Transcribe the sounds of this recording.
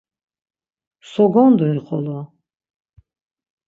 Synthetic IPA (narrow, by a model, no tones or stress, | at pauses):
sɔɡɔnd̪uniqʰɔ̰lɔ